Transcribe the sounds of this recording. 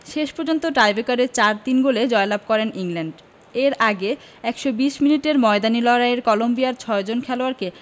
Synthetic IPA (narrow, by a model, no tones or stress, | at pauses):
ʃeʃpɔɾd͡ʑont̪oʈɾajbekaɾeɾt͡ɕaɾt̪inɡoled͡ʑɔelab̚kɔɾenʔiŋlɛɳɖ | eɾaɡe | ɛkʃobiʃminiʈeɾmɔed̪anilɔɾaeɾkɔlombijaɾt͡ɕʰɔed͡ʑonkʰɛloaɾke